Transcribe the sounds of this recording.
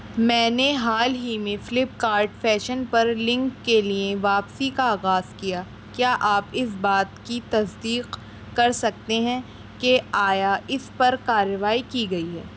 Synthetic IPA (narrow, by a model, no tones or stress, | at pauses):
mɛ̃ːneɦaːlɦimẽfɪlɪp̚kaːɾʈfɛːʃənpɐɾlɪ̃ŋkːelieʋaːpsikaːɣaːzkija | kjaːʔaːpɪsbaːt̪kit̪ɐsd̪iːq | kɐɾsɐk̚t̪eɦɛ̃ | keaːjaʔɪspɐɾkaːɾəʋaːikiɡɐiɦɛː